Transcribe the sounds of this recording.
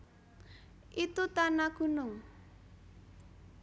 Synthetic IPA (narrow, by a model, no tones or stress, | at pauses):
ʔit̪ut̪anaɡ̥ṳnʊŋ